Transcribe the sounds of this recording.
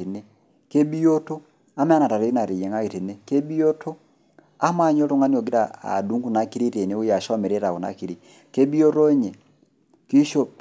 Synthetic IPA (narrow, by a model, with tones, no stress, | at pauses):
e˨ne˦ | ke˦bi˦jo˦to˦ | a˦mɛ˦a˦na˨ta˨ɾe˦i˦na˨ɾe˨jɛ˨ŋa˦e˨te˨ne˦ke˦bi˦jo˦tʰo˦ | a˦ma˦˨ɲo˦ɾo˦ŋa˦n˦o˨ɡi˦ɾa˦a̰˨du˨˦ŋɡu˦˨na˨ki˦ɾi˦ɾe˨ne˨˦o˦ja˨ʃɔ˦mɛ˨ɾe˦ɾa˨o˨na̰˨ki˨ɾi˨ | ke˦bi˦o˦ɾo˦ɲe˨ | ki˦ʃo˦